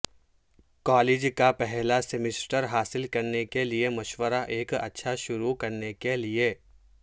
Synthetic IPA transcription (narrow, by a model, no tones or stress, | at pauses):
kɔːleːd͡ʒkapɛɦlasemɪsʈəɾɦaːsɪlkɐɾnekeliemɐʃwəɾaʔeːkɐ̰tːʃʰaʃʊɾukɐɾnekelie